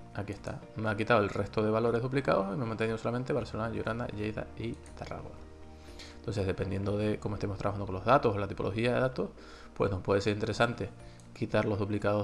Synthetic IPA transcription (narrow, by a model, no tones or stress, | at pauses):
akie̞ht̪a̰ | meakit̪aoelre̞st̪o̞ðe̞β̞alo̞ɾe̞ɦðuplika̰ðosimemãnt̪e̞niðosolament̪eβaɾselonaʝṵɾʔana̰ʝejða̰it̪ara̰ɣwa̰ | nt̪o̞nse̞ɦðe̞pe̞nje̞nd̪o̞ðe̞ko̞moet̪emost̪ɾaβaand̪oko̞nlo̞ɦðat̪o̞solat̪ipo̞lʔo̞xiaðe̞ðat̪o̞h | pwe̞̰snohpwe̞ð̞e̞seint̪eɾe̞sant̪e̞ | kit̪aɾlo̞ɦðuplikaðo